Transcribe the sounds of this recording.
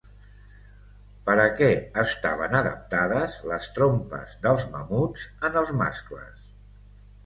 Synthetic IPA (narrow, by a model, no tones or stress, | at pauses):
pəɾəkɛəst̪a̰β̞ənəðə̰p̚t̪aðəzləst̪ɾompə̰zðəlˠzməmud͡zənəlˠzma̰sklə̰s